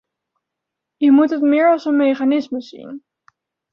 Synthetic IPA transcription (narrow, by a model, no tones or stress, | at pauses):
jəmutɦətmɪːɹɑlˠsənmejχanɪsməzḭn